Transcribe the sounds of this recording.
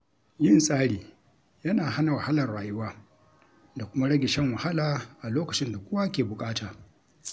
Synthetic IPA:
jɪ˦˨nsʼaː˦ɽiː˨ | jɐ˦naː˨ha˦na˨wa˨ha˦lɐ˨rɽaː˨jʊ˦waː˦ | da˨kʷʊ˦ma˦ɽɐ˦ɡʲɪ˨ʃɛ˦ŋwɐ˨ha˦laː˨ʔa˨loː˦kɐ˨t͡ʃɪ˦nda˨kʷʊ˦wa˦kʲeː˨bʊ˨kʼaː˦taː˨

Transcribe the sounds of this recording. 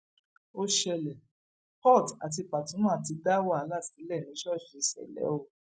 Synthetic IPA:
o˦ʃɛ˧lɛ˨ | pɔ˦˨ta˨t̬i˧pa˨tũ˨˦mã˦a˦˨ti˨˧da˦wa˦˨˦la˦˨si˨˦lɛ˦˨nĩ˨˦ʃɔ˦˨ʃi˨˧sɛ̰˨lɛ̰˨˦o˦˨

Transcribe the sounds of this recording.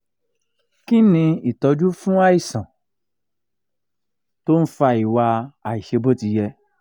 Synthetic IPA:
ki˦nĩ˧i˨tɔ˧˦d͡ʒu˦fũ˦a˦i˦˨sã˨ | to˦n̩˦fa˧i˨wa˧a˨i˨ʃe˧bo˦ti˧jɛ˧

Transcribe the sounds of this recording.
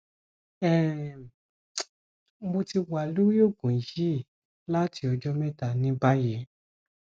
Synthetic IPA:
ɛ˨ | mo˧ti˧wa˨lu˦i˦o˦˨ɡũ˨˦ʃi˦˨ | la˦ti˧ɔ˧d͡ʒɔ˦mɛ̃˦ta˧˨nĩ˦ba˦je˨˦

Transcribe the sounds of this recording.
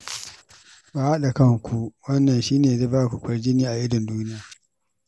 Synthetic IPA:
baː˨ha˦ɗa˨kɐ˦ŋkʷʰu˨wɐ˦nːɐ˨nʃiː˦neː˨de˦baː˦˨kʷu˨kʷɐ˦rd͡ʒɪ˦niː˦ʔa˨ʔɪ˦dɪ˨nduː˦nɪ˦jaː˨

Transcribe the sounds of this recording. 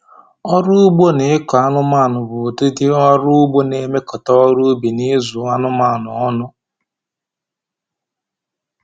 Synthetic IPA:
ɔ˦ɾʊ˦ʊ˦ɡ͡bo˦ne˨ɪ˦kɔ˨a˦nʊ˦ma˦˨nʊ˨bʊ˨te˦di˦ɔ˦ɾʊ˦ʊ˦ɡ͡bo˦ne˨˦me˦kɔ˨tɔ˦ɔ˦ɾu˦bi˨ni˦zu˨˦a˦nʊ˦ma˨nʊ˨ɔ˦nʊ˦

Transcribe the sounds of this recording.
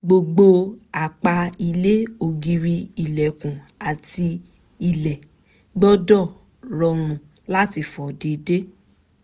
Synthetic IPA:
ɡ͡bo˧ɡ͡bo˧a˨k͡pa˧i˧le˦o˨ɡi˧ɾi˧i˨lɛ˨kũ˨ | a˨ti˧ | i˨lɛ˨ | ɡ͡bɔ˦dɔ˦˨ | ɾɔ˧ñũ˨ | la˦ti˧fɔ˨de˨˧de˦

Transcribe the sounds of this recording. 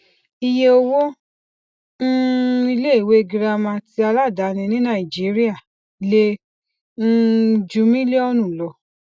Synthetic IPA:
i˧je˧o˧wo˦ | ñ̩˦i˧le˦e˨we˦˧˨ɡi˧ɾa˧mã˧ti˧a˧la˦˨da˨˦nĩ˧nĩ˦nã˦˨i˨d͡ʒi˨˦ɾi˦a˦˨ | le˧ | n̩˦d͡ʒu˧mĩ˦le˦ɔ˧nũ˦˨lɔ˧

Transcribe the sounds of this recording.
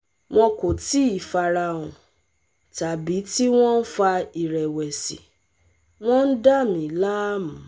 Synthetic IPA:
w̃ɔ̃˧ko˨ti˦i˦˨fa˨ɾa˧˨ũ˨ | ta˨bi˨˦ti˦w̃ɔ̃˦n̩˦fa˧i˨ɾɛ˨wɛ˨sḭ˨ | w̃ɔ̃˦n̩˦da˦˨mĩ˨˦la˦mũ˨

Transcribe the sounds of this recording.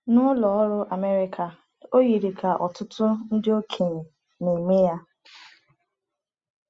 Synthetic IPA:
nʊ˦lɔ˨ɔ˦ɾʊ˦ʔa˨me˦ɾɪ˨kʰa˨ | o˦ɣi˨ɾi˨kʰa˨ʔɔ̰˨tʊ˦tʰʊ˦n̩˦dɪ˦o˦kʰe˨ɲe˨ | ne˨me˦ja˦

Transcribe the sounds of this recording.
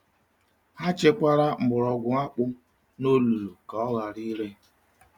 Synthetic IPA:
ha˦t͡ʃe˦kʷa˦ɾa˦m̩˨bʊ˨ɾɔ˨ɡʷʊ˨ŋa˦k͡pʊ˦ | no˦lu˨ɾu˨ka˨ɔ˦ɣa˨ɾi˦le˦

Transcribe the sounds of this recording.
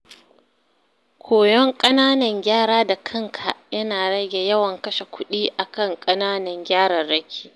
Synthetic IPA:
kʷʰoː˨jɔ˦ŋkʼɐ˦naː˦nɐ˨ŋɡʲaː˦ɾaː˦da˨kʰɐ˦ŋkʰa˨jɐ˦naː˨ɽɐ˦ɡʲe˨jɐ˦wɐ˨ŋkɐ˦ʃe˨kʷʊ˦ɗiː˦ʔa˨kɐ˦ŋkʼɐ˦naː˦nɐ˨ŋɡʲaː˦ɽɐ˨rɽɐ˦kʲʰi̥ː˦

